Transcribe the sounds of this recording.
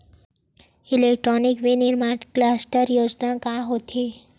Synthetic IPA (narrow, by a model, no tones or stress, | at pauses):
ilek̚ʈɾonikʋiniɾmanklasʈəɾjod͡ʒnakaɦot̪ʰe